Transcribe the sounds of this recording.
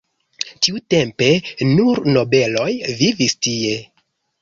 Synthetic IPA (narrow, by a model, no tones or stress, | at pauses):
t͡ʃiute̞mpe̞nuɾno̞be̞lo̞jvivistie̞